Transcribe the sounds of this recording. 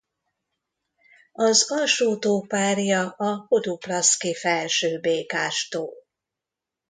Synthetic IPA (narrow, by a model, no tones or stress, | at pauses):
ɒzɒʃuːt̪oːpaːrjɒɒhod̪uplɒskifɛlʃøːbeːkaːʃt̪oːl